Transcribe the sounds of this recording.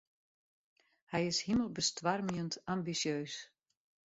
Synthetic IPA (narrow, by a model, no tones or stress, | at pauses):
hɛjɪshiməlˠbəstʋarmjəntambisjøːs